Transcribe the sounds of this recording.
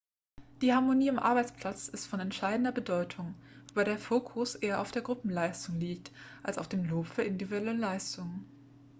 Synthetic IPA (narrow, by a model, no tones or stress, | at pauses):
d̥iːhaɐmoniːamʔa̰ɐbaɪt͡spl̥at͡sɪstfɔnɛntʃaɪdn̩dɐbədɔʏtʰʊŋ | baɪdeːɐfoːkʰʊsʔeːɐʔaʊfd̥eːɐɡʁʊpm̩laɪstʊŋliːk̚tʔalsa̰ʊfd̥eːmloːpfyːɐʔɪndiviɛlɛlaɪstʊŋən